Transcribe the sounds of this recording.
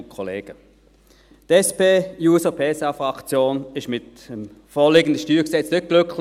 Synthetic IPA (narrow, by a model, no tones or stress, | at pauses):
kʰɔleːɡ̥ə | tɛspeːjuːsəpʰeːsɑfʁɑkt͡sjoːnɪʃmɪtəmfoːɐlɪːɡəndəʃtyːksɛt͡snʏt̚ɡ̥lʏkʰl